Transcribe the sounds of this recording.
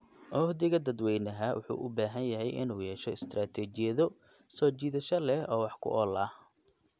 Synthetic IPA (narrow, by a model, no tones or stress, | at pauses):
ʔɔhd̪ɪɣɐd̪ɐd̪wɛjnɐɦɐwʔʊ̰ħṵːʔʊbaːɦɐnjɐɦɛjʔɪ̰nuːjɛːʃɔɪst̪ʰraːt̪ʰɛːt͡ʃɪjɐðɔ | sɔːt͡ʃiːðɐʃɐlɛhʔɔːwɑħkʰʊ̰ʔɔːlaːh